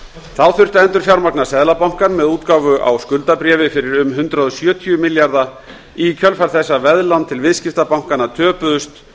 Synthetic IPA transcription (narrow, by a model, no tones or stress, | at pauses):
θawθʏr̥t̪aɛnt̪ʏɾ̥fjawɾmaknasɛðlapawŋ̥kaɾmɛðuːt̪kaːwvʏʔa̰wskʏlt̪apɾɛːvɪfɪɾɪɾʏmɦʏnt̪ɾaðʏsjœːt̪ʰiʏmɪljaɾða | icʰœlfaɾ̥θɛsːavɛðlawnt̪ʰɪlvɪðscɪft̪apawŋ̥kanːat̪ʰœːpʏðʏst̪